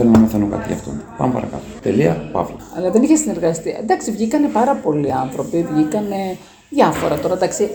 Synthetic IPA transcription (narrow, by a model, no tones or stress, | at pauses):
enunɐmɐθenuŋkɐ̰t̪iʝɐ̰ft̪o̰npɐ̰mepɐɾɐkɐt̪ot̪e̞liɐpɐ̰vlɐɐlɐðeniçesine̞ɾɣɐst̪iend̪ɐksivʝikɐne̞pɐɾɐpo̞liɐnθɾo̞pivʝikɐne̞ | ðjɐfo̞ɾɐt̪o̞ɾɐnd̪ɐksi